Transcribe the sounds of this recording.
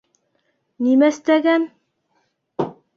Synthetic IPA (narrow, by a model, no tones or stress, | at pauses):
nimæst̪æɡæn